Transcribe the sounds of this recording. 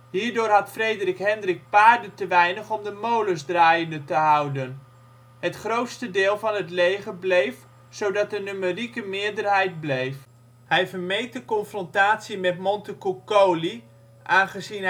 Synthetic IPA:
hiːɹdʊːrɦɑtfrejdərɪkɦɛndrɪk̚paːɹdətəʋɛjnəχɔmdəmowləzdraːjəndətəɦʌwdən | ɦətχrowtstədɪːlˠvɑnɦətlejχəblejf | sowdɑt̚dənømərikəmɪːɹdərɦɛjt̚blejf | hɛjvəɹmejk̚dəkɔnfrɔntaːtsimɛtmɔntəkukowli | ʔaːnχəzin

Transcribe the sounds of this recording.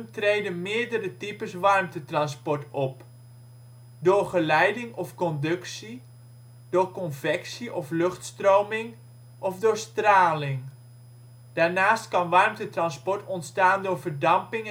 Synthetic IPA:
mtrejdənmɪːɹdərətipəsʋɑrmtətrɑnspɔɹtɔp | dʊːrχəlɛjdɪŋɔfkɔndɵksi | dʊːkɔnvɛksiʔɔflɵχtstrowmɪŋ | ʔɔfdʊːɹstraːlɪŋ | d̥aːɹnaːstkɑnʋɑrmtətrɑnspɔɹtɔntstaːndʊːɹvərdɑmpɪŋ

